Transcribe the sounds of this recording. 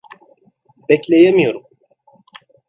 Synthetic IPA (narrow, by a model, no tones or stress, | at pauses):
bɛclʲejemijo̞ɾum